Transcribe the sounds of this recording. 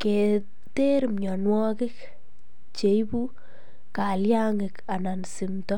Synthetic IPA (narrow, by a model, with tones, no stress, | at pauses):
ke˨ | te˦ɾmɲɔ˨nwɔ˦kɪ˦k | t͡ʃe˨ibu˦ | ka˨lja˦ŋɪ˨ka˨na˨nsimtɔ˦